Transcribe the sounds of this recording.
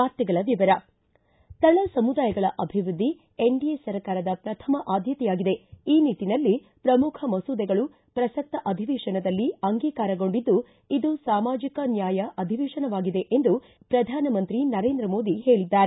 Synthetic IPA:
aːɾt̪ɐɡɐɭɐʋiʋɐɾɐ | t̪ɐɭɐsɐmud̪aːjɐɡɐɭɐʔɐbʱiʋɾud̪ʱːi | eɳɖijesɐɾkaːɾɐd̪ɐpɾɐt̪ʰɐmɐʔaːd̪ʱjɐt̪ɛjaːɡid̪e̞iːniːʈːinɐlːi | pɾɐmukʰɐmɐsuːd̪ɛɡɐɭu | pɾɐsɐk̚t̪ːɐʔɐd̪ʱiʋiːʂɐnɐd̪ɐlːiɐŋɡiːkaːɾɐɡo̞ɳɖid̪ːu | id̪usaːmaːd͡ʒikɐnjaːjɐʔɐd̪ʱiʋiːʂɐnɐʋaːɡid̪e̞ʔend̪u | pɾɐd̪ʱaːnɐmɐnt̪ɾinɐɾe̞ːnd̪ɾɐmo̞ːd̪ihe̞ːɭid̪ːaːɾe

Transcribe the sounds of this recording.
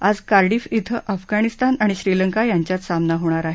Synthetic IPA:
ad͡zkaɾɽiːfit̪ʰəʔafɡaɽ̃ist̪anaɽ̃iɕɾiləŋkajaɲt͡ɕjat̪samnaɦoɽ̃aɾaɦe

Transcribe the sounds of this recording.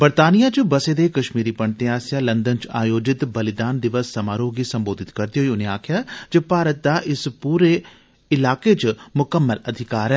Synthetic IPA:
bəɾt̪aːnijaːt͡ʃbəsed̪ekɐʃmiːɾipəɳt̪ẽaːsjaːlə̃nd̪ənt͡ʃaːjoːd͡ʒɪt̪bəlɪd̪aːnd̪ɪʋəsːɐmaːɾoːɡisəmboːd̪ʱɪt̪kəɾd̪eɦoiʊneaːkʰɪjaːd͡ʒepaːɾət̪̚d̪aʔɪspuːɾe | ɪlaːket͡ʃmʊkəmːəlɐd̪ʱɪkaːɾɛː

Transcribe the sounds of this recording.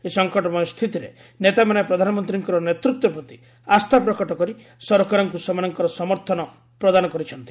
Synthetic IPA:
esɔŋkɔʈɔmɔjst̪ʰit̪iɾe | net̪amanepɾɔd̪ʱanɔmɔnt̪ɾiŋkɔɾɔnet̪ɾut̪wɔpɾɔt̪i | ast̪ʰapɾɔkɔʈɔkɔɾi | sɔɾɔkaɾɔŋkusɔmanɔŋkɔɾɔsɔmɔɾt̪ʰɔnɔ | pɾɔd̪anɔkɔɾit͡ʃʰɔnt̪i̥

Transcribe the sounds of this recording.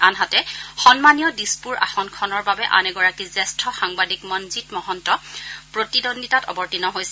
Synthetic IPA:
anɦatɛxɔnmanijɔdispuɹa̰xɔnkʰɔnɔɹbabɛʔa̰nɛɡɔɹakizɛstʰɔxaŋbadikmɔnzitmɔɦɔntɔpɹotidonditatɔ̰bɔɹtinɔɦojsɛ

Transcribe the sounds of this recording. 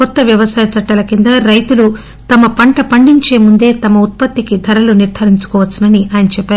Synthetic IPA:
kɔt̪ːɐʋjɐʋɐsaːjɐt͡ʃɐʈːɐlɐkind̪ɐɾɐjt̪ulu | t̪ɐmɐpɐɳʈɐpɐɳɖiɲt͡ʃe̞ːmund̪e̞ːt̪ɐmɐut̪̚pɐt̪ːikid̪ʱɐɾɐluniɾd̪ʱɐɾiɲt͡ʃu̥kɔːʋɐsːɐnɐniʔaːjɐnɐt͡ʃɛpːæːɾu

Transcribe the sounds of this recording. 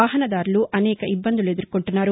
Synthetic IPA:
aːɦɐnɐd̪aːɾɐluʔɐnɛːkɐʔibːɐnd̪uled̪uɾkoɳʈunːaːɾu

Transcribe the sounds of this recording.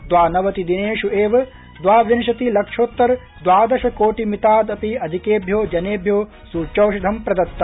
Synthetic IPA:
d̪ʋaːnɐʋɐt̪id̪ineːʃueːʋɐ | d̪ʋaːʋjɐnʃɐt̪ilɐkʂoːt̪ːɐɾ | d̪ʋaːd̪ɐʃɐkoːʈimit̪aːd̪ɐpiɐd̪ʱikeːbʱjoːd͡ʒɐneːbʱjoː | suːt͡ʃɐwʃɐd̪ʱɐmpɾɐd̪ɐt̪ːɐ

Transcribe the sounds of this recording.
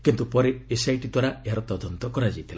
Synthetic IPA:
kint̪upɔɾeesajʈid̪waɾaeɦaɾɔt̪ɔd̪ɔnt̪ɔkɔɾad͡ʒajt̪ʰila

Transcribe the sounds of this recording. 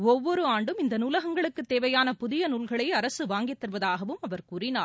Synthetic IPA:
ɔʋːɔɾɯaːɳɖɯmɪnd̪ɐnuːlɐɣɐŋɡɐɭɯkːɯt̪ːeːʋɐjaːnɐpʊðɪjɐnuːlɣɐɭɐɪɐɾɐsɯʋaːŋɡɪt̪ːɐɾʋɐðaːɣɐʋɯmɐʋɐɾkuːrɪnaː

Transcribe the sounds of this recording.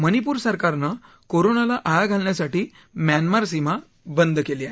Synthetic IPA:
mənipuːɾsəɾkaɾna | koɾonalaʔaɭaɡʱalɳjasaʈiː | mjanmaɾsima | bənd̪keliaɦ

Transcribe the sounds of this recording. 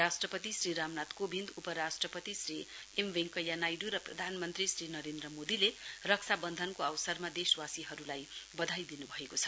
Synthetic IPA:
asʈrʌpʌt̪isriɾamnat̪kobʱind̪upʌɾasʈrʌpʌt̪isri | emʋeŋkʌjanajɖuɾʌprʌ̰d̪ʱanmʌnt̪risɾinʌɾend̪ɾrʌmod̪ilerʌk̚t͡sʰabʌnd̪ʱʌnkoʌwsʌrmad̪eswasiɦʌɾulajbʌd̪ʱajd̪inubʱʌekot͡sʰʌ̥

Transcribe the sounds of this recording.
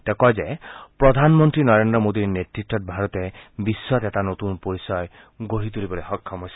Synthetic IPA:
t̪ekɔd͡ʒepɾɔd̪ʱanmɔnt̪ɾinɔɾend̪ɾɔmod̪iɾnetɾiʈːɔt̚bʱaɾɔt̪ebisːɔt̪etanot̪unpoɾisɔj | ɡoɦit̪ulibɔleɦɔkʰːɔmɔs

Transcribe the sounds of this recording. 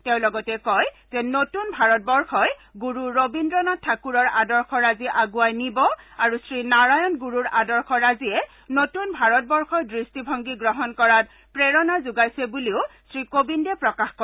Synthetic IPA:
teʊ̃lɔɡɔtɛkɔj | z̥ɛnotunbʱaɹɔt̚bɔɹxɔjɡuɹuɹobindɹɔnatʰakuɹɔɹadɔɹxʰɔɹaziʔaɡuajnibɔaɹusɹinaɹajɔnɡuɹuɹadɔɹxɔɹaziɛ | notunbʱaɹɔt̚bɔɹxɔjdɹistibʱɔŋɡiɡɹɔɦɔnkɔɹat̚ | pɹɛɹɔnazuɡajsɛbuliʊsɹikobindɛpɹɔkaxkɔ

